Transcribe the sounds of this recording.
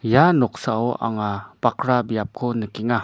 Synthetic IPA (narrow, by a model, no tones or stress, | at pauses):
janɔk̚saoʔa̰ŋapakɾabijap̚kʰonəkiŋa